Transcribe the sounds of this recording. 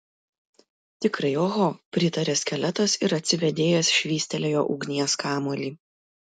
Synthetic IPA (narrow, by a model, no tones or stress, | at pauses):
t̪ʲɪkɾɐɪoːɣoːpʲɾʲɪt̪ɐɾʲeːsʲkʲɛlʲɛt̪ɐsɪɾɐt̪ʲsʲɪʋʲɛd̪ʲeːjɛsʃʲʋʲiːsʲt̪ʲɛlʲejoːʔʊɡnʲiɛskɑːmoːlʲiː